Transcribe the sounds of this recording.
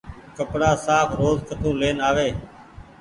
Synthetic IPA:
kəpɽaːsaːfʰɾoːzkʰət̪ʰũːleːnaːʋeː

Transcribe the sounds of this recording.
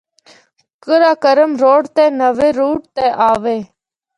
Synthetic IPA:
kəɾaːkəɾəmɾoːɽt̪eːnəʋeːɾuːʈ̚t̪eːʔaːʋeː

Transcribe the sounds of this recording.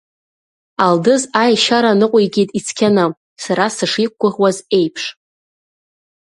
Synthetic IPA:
aldɨzajʃaɾanɨqʷʼiɡʲejtʼit͡sʰkʲʰana | saɾasɨʂik̚ʷɡʷʊχwaze̞jpʰʂ

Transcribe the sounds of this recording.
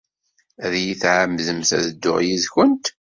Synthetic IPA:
æðjiθʕəmðəmθæ̰ðəd̪ːʊʁjiðçənt̪

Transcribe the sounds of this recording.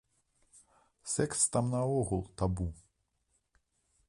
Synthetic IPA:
sɛkst̪amnɐɔɣulˠt̪abu

